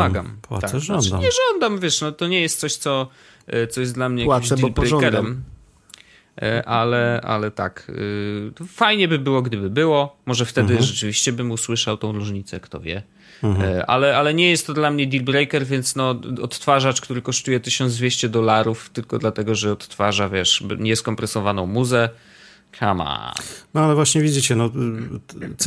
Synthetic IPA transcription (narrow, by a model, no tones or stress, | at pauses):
aɡa̰ma̰akɔnaɲɛʐɔnd̪amvʲjɛʂnɔt̪ɔɲɛjɛst̪sɔɕt̪sɔ | t̪sɔjɛsd̪lamɲɛjawkimd̪ilbɾɛjkɛɾɛm | ʔalɛʔa̰lɛt̪a̰k | fajɲɛbɘbɘwɔɡd̪ɘbɘbɘwɔmɔʐɛft̪ɛd̪ɘʐɛt͡ʂɘvʲiɕt͡ɕɛbɘmuswɘʂawt̪ɔ̃w̃ɾuʐɲit̪sɛkt̪ɔ̰vʲjɛ̰ | ʔa̰lɛalɛɲɛjɛst̪ːɔd̪lamɲɛd̪ʲilbɾɛjkɛɾvʲjɛnt̪snɔɔt̪ːfaʐat͡ʂkt̪uɾɘkɔʂt̪ujɛt̪ɘɕɔnd̪zd̪vʲjeɕt͡ɕɛd̪ɔlaɾuft̪ɘlkɔd̪lat̪ɛɡɔʐɛɔt̪ːfaʐavʲjɛʂbɲɛskɔmpɾɛsɔvanɔ̃w̃muzɛ | kʰa̰ma̰nɔalɛvwaɕɲɛvʲid͡ʑit͡ɕɛnɔ